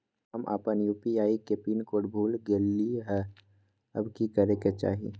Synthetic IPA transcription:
ɦɐmʔa̰ːpənjuːpiaːikepiːnkoːʈbʱuːlɡeːlːiɦɛ | ɐ̰bkikɐɾeket͡ʃa̰ːɦḭ

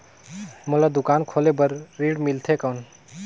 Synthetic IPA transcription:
məlad̪ukankʰolebəɾːiɽmilt̪ʰekəwn

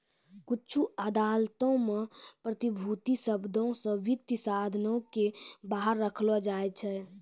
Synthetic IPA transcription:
kut͡ʃʰuəd̪alt̪õmepɾət̪ibʱut̪isəbd̪ʱõsə̃ʋit̪əsad̪ʱnõkebaɦəɾːəkʰlɔd͡ʒajt͡ʃʰɛ

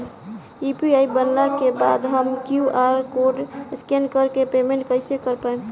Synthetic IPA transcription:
ipiaibənlakebad̪ɦəmkjuʔaɾkoɖskenkəɾkepemẽɳʈ̚kəɪsekəɾpaem

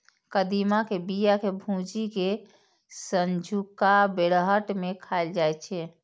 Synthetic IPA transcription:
kəd̪imakebijakebʱũd͡ʒike | sənd͡ʒʱukabeɽəɦəʈmekʰaeld͡ʒajt͡ʃʰɛ

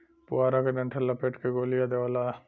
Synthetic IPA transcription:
pʊaːɾaked͡ʒɐ̃ɳʈʰəlːɐpeːʈkeɡoːlijad̪eʋala

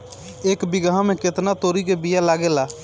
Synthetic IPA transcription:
eːkbɪɡãmẽkɪt̪nat̪oːɾikebijalaːɡelaː

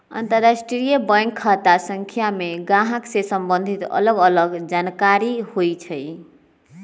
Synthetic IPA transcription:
ə̰nt̪əɾasʈɾɾijəbəkʰːət̪asəŋkʰjameɡãɦəksesəmbənd̪ʱit̪ə̰ləɡələɡd͡ʒankaɾihojt͡ʃʰəj

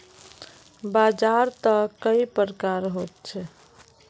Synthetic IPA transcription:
bad͡ʒaɾt̪əkəipɾəkaɾɦot̪̚t͡ʃʰɛ

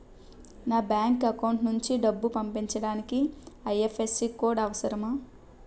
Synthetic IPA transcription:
naːbjaːŋkɐkɐwɳʈnuɲt͡ʃiɖɐbːupɐmpiɲt͡ʃɐɽaːnikiɐjefʰesikoːɽɐʋɐsɐɾɐmaː

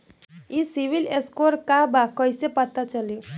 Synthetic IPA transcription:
isibileskoɾkabakɔjsepat̪at͡ʃʌli

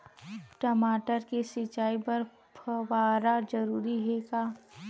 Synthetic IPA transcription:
ʈəmaːʈəɾkesɪt͡ʃaːipɐɾ | pʰʋaːɾad͡ʒɐɾuːɾiɦɛːɡaː

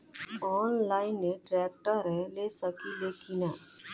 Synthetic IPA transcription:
ɔːnlaːɪnːeʈɾɛːk̚ʈəɾeleːsəkileːkinɛ

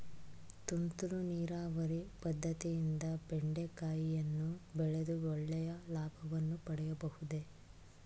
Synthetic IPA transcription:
t̪unt̪uɾuniːɾaːʋɐɾipɐd̪ʱːɐt̪ijind̪ɐbeɳɖe̞kaːjijɐnːubɛɭed̪uɔɭːɛjɐlaːbʱɐʋɐnːupɐɽɛjɐbɐhud̪e̞

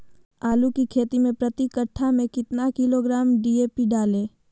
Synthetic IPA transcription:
aːlukikʰeːt̪imẽpɾɐt̪ikəʈʰːamẽkɪt̪nakɪloɡɾaːmɖiːeːpiɖaːlẽː

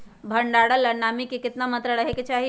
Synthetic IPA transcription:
bʱəɳɖaɽələnamikekɪt̪namət̪ɾəɽəɦeket͡ʃaɦi

